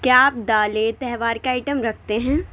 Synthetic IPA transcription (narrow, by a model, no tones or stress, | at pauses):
kjaaːp̚d̪aːlet̪ɛɦʋaːɾkeaːɪʈəmɾɐkʰt̪eɦɛ̃ː